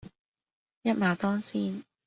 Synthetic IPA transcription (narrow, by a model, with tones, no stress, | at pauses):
jɐ˥t̚maː˨˧t̪ɔː˥ŋsiː˥n